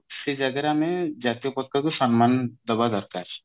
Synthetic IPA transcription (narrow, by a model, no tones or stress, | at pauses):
ʃed͡ʒaɡeɾamed͡ʒat̪iopɔt̪̚kak̪uʃɔnmand̪ɔbad̪ɔɾkaɾ